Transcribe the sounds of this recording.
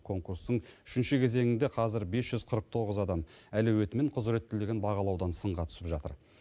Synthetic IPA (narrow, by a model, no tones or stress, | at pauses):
kʰo̞ŋkuɾst̪əɴʏ̥ʃɪnʃɪkʲʰe̞ze̞ŋɪnd̪e̞qʰɑzɪɾbe̞sʒ̥ʏz̥qʰəɾəq̚t̪ʰo̞ʁəzɑd̪ɑmælowe̞t̪me̞ɴqʰʊzɾe̞t̪ːɪlɪɡʲɪnbɑʁɑlˠɑwd̪ɑnsəɴʁɑt̪ʰʊ̥səpʒɑt̪ə̰ɾ